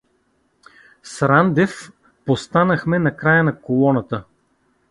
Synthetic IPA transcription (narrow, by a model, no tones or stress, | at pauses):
sɾand̪ɛf | post̪anəxmɛnɐkɾajənɐkolˠɔnɐt̪ə